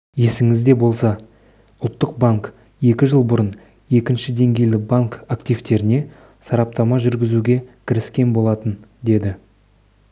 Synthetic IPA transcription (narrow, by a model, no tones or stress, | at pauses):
je̞sɪŋɪzd̪e̞bo̞lˠsɑ | ʊlˠt̪ːəq̚baŋk | je̞kʲɪʒəlˠbʊɾən | e̞kʲɪnʃɪd̪e̞ŋɡʲe̞jlɪbaŋkakt̪ijvt̪e̞ɾɪne̞ | sɑɾɑp̚t̪ɑmɑʒʏɾɡʲɪzuɡʲe̞kʲʰɪɾɪskʲe̞nbo̞lˠɑt̪ənd̪e̞d̪ɪ